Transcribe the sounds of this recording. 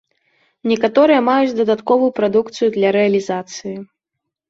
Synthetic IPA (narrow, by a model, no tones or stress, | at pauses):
nʲɛkat̪ɔɾɨjɐmajut͡sʲd̪ɐd̪at̪kɔvujupɾad̪ukt̪sɨjud̪lʲɐɾɛɐlʲizat̪sɨji